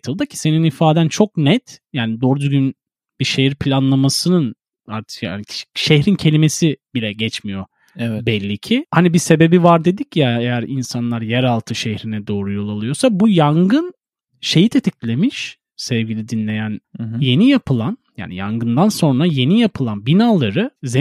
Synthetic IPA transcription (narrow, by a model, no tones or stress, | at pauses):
t̪ʰɯlˠd̪acʰi̥se̞ninifaːd̪ænt͡ʃʰo̞k̚nɛt̪jaːnid̪oɾd̪yɡyn | b̥iʃejiɾpʰlʲanlˠamasɯnɯn | aɾt̪ʰɯ̥kaaniʃehɾincʰe̞lʲimesibilʲɛɟɛt͡ʃmijo̞ | bɛlʲːicʰihanibise̞be̞bivaɾd̪e̞d̪icjaejæɾinsanlˠaɾjæɾalˠt̪ʰɯʃehɾinɛd̪o̞ːɾujo̞lˠalˠɯjo̞sabujaŋɡɯn | ʃe̞jit̪ʰe̞t̪ʰiclʲe̞miʃ | sɛvɟʲilʲid̪inlʲe̞jænje̞nijapʰɯlˠanja̰ːnija̰ŋɡɯnd̪anso̞nɾaje̞nijapʰɯlˠanbinaːlˠaɾɯze